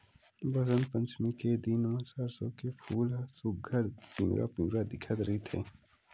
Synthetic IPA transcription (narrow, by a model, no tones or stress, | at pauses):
bɐzənpə̃nt͡ʃmiked̪inmãsəɾsokefʰuːlsʊɡʱəɾpḭ̃ɾʔa̰pĩːɾad̪ɪkʰət̪ɾəɦit̪ʰḛː